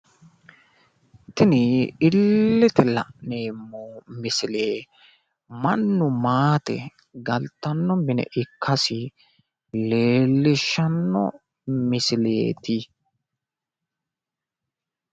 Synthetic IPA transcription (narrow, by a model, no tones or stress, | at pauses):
t̪ɪnɪɪlːɛt̪ɛlɐ̰ʔne̞ːmːomɪsɪleː | mɐnːʊmaːt̪ɛ̰ | ɡɐlt̪ɐnːɔmɪnɛ̰ʔɪkːɐsɪ | le̞ːlːɪʃːɐnːɔ̰ | mɪsɪlḛːt̪ɪ